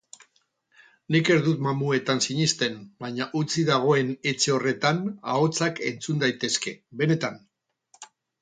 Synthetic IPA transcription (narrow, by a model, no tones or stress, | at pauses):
nike̞ɾðut̪mamue̞t̪ansiɲist̪e̞nbaɲaʔut͡siðaɣ̞o̞e̞ne̞t͡ʃe̞o̞re̞t̪ana̰o̞t͡sake̞̰nt͡sund̪ajt̪e̞ske̞be̞ne̞t̪an